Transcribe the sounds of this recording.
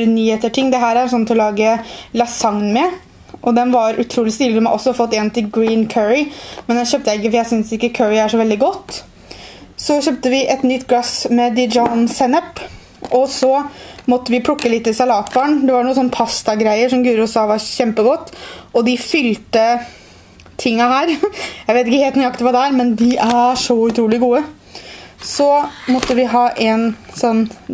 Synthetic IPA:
nyːheːt̪əʈʰɪŋːd̪ɛɦæːɾæjsɔnːt̪ʰɔlɑːɡəlɑsɑŋnmɛ | ʔɔd̪ɛnʋɑɾʉt̪ʰɾuːlɪst̪ɪləd̪ɛmʔɔsːɔfɔt̪ːent̪ɪɡɹiːnkʰœːɹɪmɛnɛænçøːpt̪əæɪk̬ːəfɔɾjæɪsʏnsɪkːəkʰøːɹɪæʂɔʋɛld̪ɪɡɔt̪ː | sɔçøːp̚t̪əʋɪʔɛt̪nʏt̪ːɡlɑsmɛd̪ɪd͡ʒɑnsɛnəp | ʔɔsɔmɔt̪ːəʋɪpʰɽʊkːəlɪt̪ːɪlsɑlɑːt̪bɑːɳd̪ɛʋɑɳuːəsɔnːpʰɑst̪ɑɡɾæɪəʂɔmɡʉːɾʊsɑːʋɑɾçɛmpəɡɔt̪ːɔd̪ɪfʏlt̪ə | t̪ʰɪŋːɑhæːɾjæɪʋeːt̪ɪkːəheːlt̪nɪɑkt̪əʋɑːd̪ɛæːɾmɛnd̪ɪʔæʂɔʉt̪ʰɾuːlɪɡuːə | sɔmɔt̪ːəʋɪɦɑːʔɛnsɔnː

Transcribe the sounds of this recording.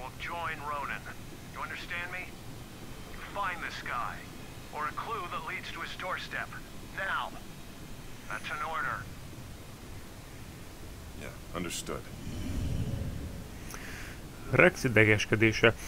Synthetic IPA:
d͡ʒɔ̃ɪ̃nɹõʊnɨ̃n | jɨʌ̃ndə˞stæ̃nmi | fãɪ̃nðɨskaɪ | ʔə˞ɨkʰl̥uðətˡlidz̥tʰəɨzdɔɹstɛpnaʊ | ðæ̰tsə̃nɔɹɾə˞ | jæ̰ | ʌ̰̃ndə˞stʊ̰d̥ | rɛksit̪̚d̪ɛɡɛʃkɛd̪eːʃɛ

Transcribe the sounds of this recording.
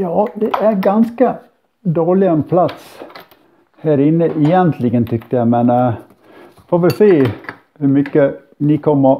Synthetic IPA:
jɑːd̪ɛʔæɾɡɑnskə | d̪oːɭɪɛnpʰlɑt̪s | hæːɾɪnːəʔɪjɛnt̪ʰlɪɡənt̪ʰʏkt̪əjæɪmɛn | foːʋɪsiː | hʉmʏkːə | nɪkʰɔmːə

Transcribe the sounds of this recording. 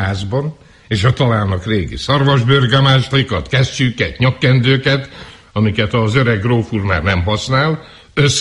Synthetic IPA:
aːzbɒn | eːʃɒt̪ɒlaːlnɒkreːɡḭsɒrvɒʒbørɡɛmaːʃlikɒt̪kɛst͡ʃyːkɛt̪ɲɒkːɛnd̪øːkɛt̪ | ɒmikɛt̪ɒzøɾɛɡroːfurma̰ːrnɛmɦɒsnaːl | øs

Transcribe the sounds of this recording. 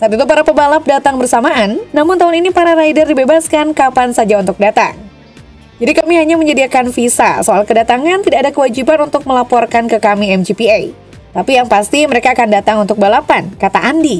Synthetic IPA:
t̪at̪it̪upaɾapəbalap̚dat̪aŋbərsamaʔanːamʊnt̪aɦʊninipaɾaɾaidərdibebaskankapansad͡ʒaunt̪ʊk̚dat̪a̰ŋ | d͡ʒadikamiɦaɲaməɲədiakanfisa̰soalkədat̪aŋant̪idaːdakəwad͡ʒibanunt̪ʊk̚məlapɔrkankəkamiɛmd͡ʒipiaj | t̪apijaŋpast̪iməɾekaːkandat̪aŋunt̪ʊk̚balapankat̪aʔandi

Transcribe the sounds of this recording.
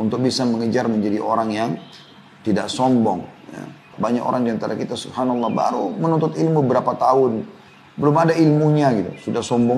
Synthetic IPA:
unt̪ʊk̚bisaməŋəd͡ʒarməɲd͡ʒadiʔoɾaŋjaŋ | t̪idaʔsɔmbɔŋja̰ | baɲako̰ɾaŋdiant̪aɾakit̪asubhanlˠːɑhba̰ɾumənunt̪ʊt̪ilmuəbəɾapat̪aʊn | bəlʊmadailmuɲaɡit̪ṵsudahsɔmbɔŋ

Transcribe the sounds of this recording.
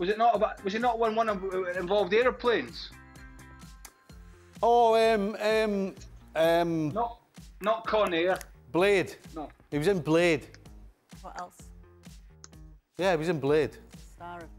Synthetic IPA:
wɔzɪʔnəʔəbaʔwɔzɪnəʔwʌ̃nwʌ̃nəɪ̃ɱvɔlˠvdeɹə˞pʰl̥ẽnz̥ | oəməm | ʌmnəʔ | nəʔkʰɔneɹb̥lˠed̥nɔʔ | iʔwzɪ̃nblˠed̥ | wɔʔɛlˠs | jæɪwɔzɪ̃nblˠed̥aɹ

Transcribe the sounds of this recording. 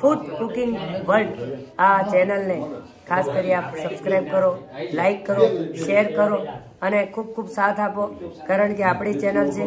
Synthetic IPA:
fʰut̪kukɪ̃ŋɡʋəlɖat͡ʃɛnəlne | kʰaskəɾiapsəbskɾajb̚kəɾolaikːəɾoʃeəɾkəɾo | ənekʰub̚kʰubsat̪ʰapokaɾəɳkeapɳ̃it͡ʃɛnəlt͡ʃe

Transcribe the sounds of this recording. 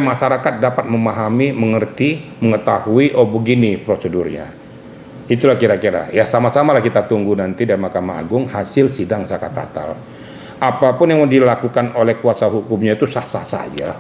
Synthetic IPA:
maʃaɾakat̪̚dapat̪̚məmaɦamiməŋərt̪iməŋət̪ahuiʔɔbəɡinipɾosədurɲa̰ | it̪ulahkiɾakiɾa̰jasamasamalahkit̪at̪uŋɡunant̪idaɾimahkama̰ːɡʊŋhasɪlsidaŋsakat̪a̰t̪a̰l | ʔapapʊnjaŋdilakukanolɛhkuasaɦukʊmɲait̪usahsahsa̰d͡ʒa̰

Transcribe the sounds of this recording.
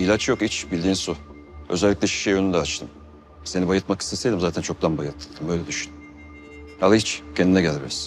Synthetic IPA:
ilʲat͡ʃjo̞kit͡ʃbilʲd̪iːnsu | øzɛlʲːiclʲɛʃi̥ʃejønynd̪ɛat͡ʃt̪ʰɯm | se̞nibajɯt̪maki̥sesed̪ʲimzaːt̪ʰænt͡ʃʰo̞k̚d̪anbajɯɾt̪ʰːɯlˠd̪ɯmbøjlʲɛd̪yʃyn | halˠɯit͡ʃcʰɛnd̪inɛɟælʲbiɾiz̥

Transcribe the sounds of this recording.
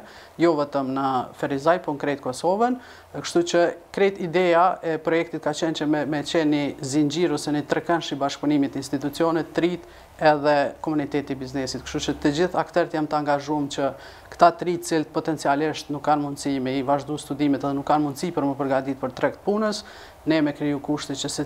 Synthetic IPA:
jɔvɛt̪əmnəfɛɾizajpɔnkɾɛt̪̚kɔsɔvən | kəʃt̪ut͡ɕəkɾɛt̪id̪ɛaɛpɾɔjɛk̚t̪it̪kat͡ɕɛnt͡ɕəmɛt͡ɕɛnizind͡ʑiɾusənit̪ɾɛkɛnʃibaʃkpunimit̪əinst̪it̪ut͡siɔnɛt̪ːɾit̪ | ɛðɛkɔmunit̪ɛt̪ibiznɛsit̪kə̥ʃt̪ut͡ʃət̪əd͡ʑiθakt̪ɛɾt̪jamt̪əaŋɡaʒumt͡ɕə | kt̪at̪ɾit̪t͡silt̪̚pɔt̪ɛnt͡sialiʃt̪nukːanmund̪simɛivaʒd̪ust̪ud̪imɛt̪ɛðɛnukːanmund̪sipəɾməpəɾɡad̪it̪̚pəɾt̪ɾɛk̚t̪̚punəs | nɛmɛkɾijukuʃt̪ɛt͡ɕəsɛ

